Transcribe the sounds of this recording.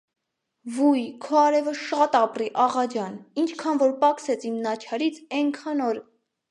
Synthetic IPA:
vujkʰɔɑɾɛvəʃɑt̪ɑpriʔɑʁɑd͡ʒɑnint͡ʃʰkʰɑnvɔɾpɑksɛt͡sʰimnɑt͡ʃʰɑɾit͡sʰɛŋkʰɑnɔɾ

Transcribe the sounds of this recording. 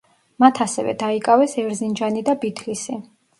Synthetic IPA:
mat̪ʰasɛvɛ̰d̪aikʼavɛsɛɾzind͡ʒanid̪abit̪ʰlisi

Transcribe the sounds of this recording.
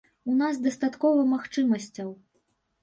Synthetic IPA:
unazd̪ɐst̪at̪kɔvɐmaxt͡ʂɨmɐsʲt͡sʲɐw

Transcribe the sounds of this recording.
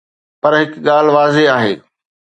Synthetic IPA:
pɐɾɦɪkɠaːl̤ʋaːzeaːɦḛː

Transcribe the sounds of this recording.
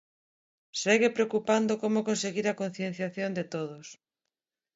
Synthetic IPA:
seɣepɾeokupand̪okomokõnseɣiɾakõn̟θjẽn̟θjaθjond̪et̪oðos

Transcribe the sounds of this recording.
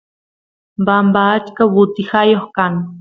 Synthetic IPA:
bambaːt͡ʃkawʊt̪ɪhajoχkaŋ

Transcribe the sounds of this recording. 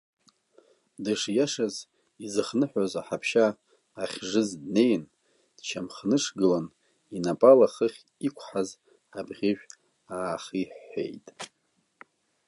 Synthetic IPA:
dɨʂjaʂaz | izɨχnɨħʷᶣazaħapʰʃaː | χʲʐɨzdne̞jn | d̥t͡ʃʰamχnɨʂɡɨlan | inapʼalaχəχʲ | ikʷʰħaz | abʁʲɪʒʷᶣ | aːχiħːʷḛjtʼ

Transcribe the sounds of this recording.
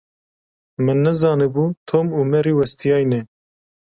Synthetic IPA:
mɨnːɛzɑːnɨbuːt̪ʰoːmuːmɛɾiːwɛst̪ijɑːjnɛ

